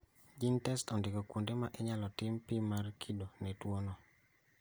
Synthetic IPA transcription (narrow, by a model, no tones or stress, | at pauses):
d͡ʒintɛstɔndɪkɔkundemaʔeɲalɔtɪmpimarkʰidonɛtwonɔ